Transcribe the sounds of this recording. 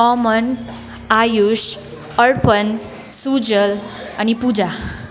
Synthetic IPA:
ɔmən | ajuɕ | əɭpən | sud͡zəl | anipud͡za

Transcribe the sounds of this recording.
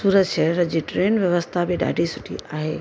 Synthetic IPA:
suːɾəd̪ʃeɾəd͡ʑiːʈɾeːnʋjɐʋəst̪ʰabɪɖa̰ːɖʱisʊʈʰḭʔaːɦeː

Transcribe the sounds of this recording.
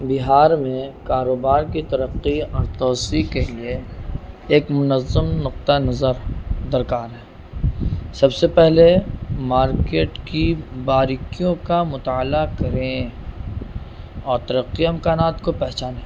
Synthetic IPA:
bɪɦaːɾmẽkaːɾoːbaːɾkit̪ɐɾəqːiɔːɾt̪ɔːsikelieː | kmʊnəzːəmnʊq̚t̪anɐzəɾd̪ɐɾkaːɾɦɛ̃ː | sɐbsepɛɦlemaːɾkeːʈkibaːɾɪkijõkamʊt̪aːlakɐɾẽ | ɔːɾt̪ɐɾəqːiɛmkaːnaːt̪kopɛɦt͡ʃaːnẽː

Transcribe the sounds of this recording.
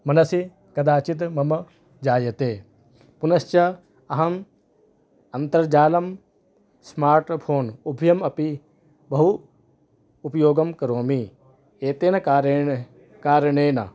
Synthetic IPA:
mɐnɐsi | kɐd̪aːt͡ʃit̪mɐmɐ | d͡ʒaːjɐt̪eː | punɐst͡ʃɐ | ɐɦɐm | ɐnt̪ɐɾd͡ʒaːlɐm | smaːɾʈpʰoːnubʱjɐmɐpi | bɐɦu | pjoːɡɐmkɐɾoːmi | eːt̪eːnɐɾ | kaːɾɐɳeːnɐ̰

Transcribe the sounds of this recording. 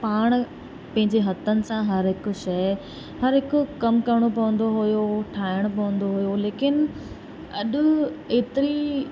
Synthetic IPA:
paːɽ̃ | pɐ̃ɦɪ̃ɲd͡ʑeɦɐt̪ʰənɪ̆sãɦɐɾɦɪkʊ̆ʃɐj | hɐɾɦɪkʊkɐmkɐɾɽ̃opɐʋə̃nd̪oɦʊjoʈʰaːɦɪəɽ̃ʊpɐʋə̃nd̪oɦujoleːkɪn | ɐ̰ɗʊ̆eːt̪ɪɾi

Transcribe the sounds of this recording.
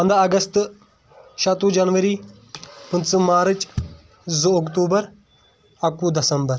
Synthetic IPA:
ɐ̃nd̪ʱaɐɡəst̪ | ʃat̪ũːd͡ʒɐnʋəɾiː | pənt͡smaːɾət͡ʃ | zok̬t̪uːbəɾ | ɐkud̪ɐsəmbəɾ

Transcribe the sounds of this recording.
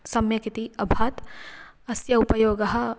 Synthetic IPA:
sɐmjɐkit̪iɐbʱaːt̪ | ɐsjɐupɐjoːɡɐɦɐ̆

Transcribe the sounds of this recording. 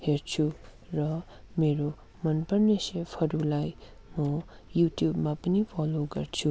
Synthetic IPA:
heɾt͡ʃʰu | ɾʌ | meɾo | mʌnpʌɾnʌsepʰhʌɾulaj | mʌ | jutjubmapʌnipʰɔloɡʌɾt͡ʃʰu

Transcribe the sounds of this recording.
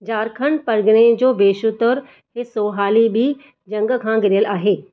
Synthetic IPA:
d͡ʑaːɾkʰəɳpɐɾɡɽ̃ed͡ʑoːbeːʃʊt̪əɾ | ɦesoːɦaːlibʱi | d͡ʒɐ̃ŋɡkʰãɡɪɾɪjəlaːɦeː

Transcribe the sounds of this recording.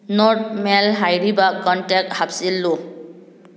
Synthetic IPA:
nɔtmɛlɦajɹibakɔntɛk̚thabsilːʊ

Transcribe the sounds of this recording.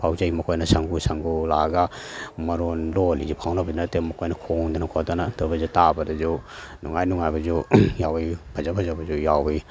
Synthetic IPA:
pʰawd͡ʒajmɐkʰojnɐsaŋɡusaŋɡulaɡamɐɾonlolizupʰawnabɐdnɐtemɐkʰojnɐkʰoŋd̪ɐnɐkʰodanad̥ɐbɐzutabɐdɐzunuŋajnuŋajbɐzujawipʰɐzapʰɐzabɐzujawi

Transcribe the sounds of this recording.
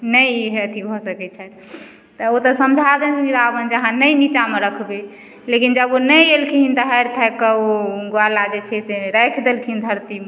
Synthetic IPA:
nəjɦet̪ʰibʱɔsəkɛt͡ʃʰɛt̪ | t̪əot̪ɔsəmd͡ʒʱad̪ɛskiɾabənd͡ʒəɦãnəjmit͡ʃameɾəkʰbe | lekind͡ʒəbonəjelkʰiɦint̪əɦɛɾt̪ʰəkəoɡoalad͡ʒet͡ʃʰɛseɾəjkʰd̪elkʰiind̪ʱəɾt̪ime

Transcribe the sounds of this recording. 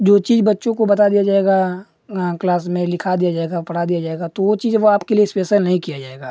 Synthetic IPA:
d͡ʒoːt͡ʃiːzbɐtːʃõkobɐt̪ad̪ijad͡ʒaːeɡa | klaːsmẽlɪkʰad̪ijad͡ʒaːeɡapɐɽ̤ad̪ijad͡ʒaːeːɡat̪oʋot͡ʃiːzʋoaːpkeliespeːsəlnɐɦĩkijad͡ʒaːeːɡaː

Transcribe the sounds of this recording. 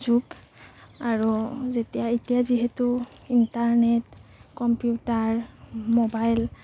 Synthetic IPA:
zuk | aɹuzetijaetijaziɦetuintaɹnetkɔmpjutaɹmobajl

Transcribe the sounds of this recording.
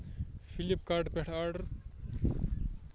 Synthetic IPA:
fʰilipkaɾɖpeʈʰaɾɖɐɾ

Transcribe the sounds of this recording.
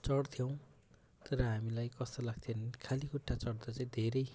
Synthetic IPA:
t͡sʌɽt̪ʰjow̃ | t̪ʌɾʌɦamilajkʌst̪olaɡ̚t̪ʰjonkʰalikuʈʰːat͡sʌɽd̪ʌt͡saĩd̪ʱeɾʌj

